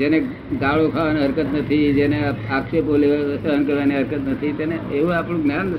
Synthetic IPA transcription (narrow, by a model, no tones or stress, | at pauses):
d͡ʒene | ɡaɭokʰaʋaneɦəɾkət̪nət̪ʰid͡ʒeneakʃepoleʋsəɦənkəɾʋaneɦəɾkət̪nət̪ʰit̪eneeʋũapɳũɡnjanː